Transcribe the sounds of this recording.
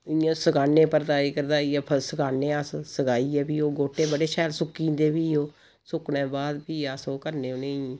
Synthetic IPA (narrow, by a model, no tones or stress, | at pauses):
ɪjãːsəɡaːneːpəɾt̪aːiːkəɾd̪aːiːɛːpʰəsəɡaːneːassəɡaːiːɛːbiːoːɡoːʈːeːbəɽeːʃɛːlsʊkiːd̪eːbiːoː | sʊkneːbaːd̪piːaːsoːkəɾneːõːneĩ